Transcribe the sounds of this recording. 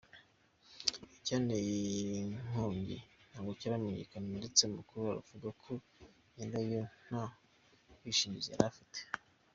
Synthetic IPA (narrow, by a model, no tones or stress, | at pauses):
caːnejiiŋ̥oːɲɟḭn̥haːɡocaɾameɲḛkanendet͡semukuɾuaɾṵvuɡakʰo | jendajon̥a | wiʃiɲizea̰ɾafite̥